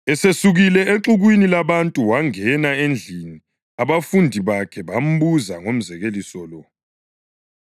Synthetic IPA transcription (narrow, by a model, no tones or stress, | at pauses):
ɛsesuɣilɛeǁuɣwinilaβantʼuwaŋɛnaend͡ɮʱini | aβafundʱiβakʰɛβam̩βuzaŋom̩zɛɣelisɔlɔ